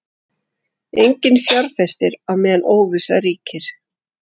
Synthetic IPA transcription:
ejɲcɪnfjaɾ̥fɛst̪ɪɾawmɛːðanʔoːwvɪsaɾiːcɪɾ̥

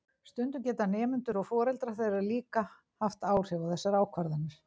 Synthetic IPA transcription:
st̪ʏnt̪ʏmcɛːt̪anɛːmʏnt̪ʏɾɔɣfɔːɾɛlt̪ɾaθejɾaðliːka | haft̪aːwr̥ɛɣaθɛsːaɾaːwkʰvaɾðanɪɾ̥

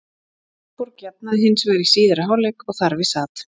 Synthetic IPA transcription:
puɾkjap̚naðɪɦɪnsvɛɾɪsiːðɪɾaɦaːwlɛkɔɣθaɾvɪsaːt̪

